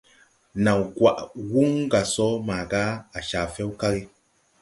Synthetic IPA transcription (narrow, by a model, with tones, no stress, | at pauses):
na˨wɡwa˨ʔwu˦ŋɡa˨sɔ˦maː˨ɡa˦a˨ʃa˨fɛ˦wka˦ɣi˦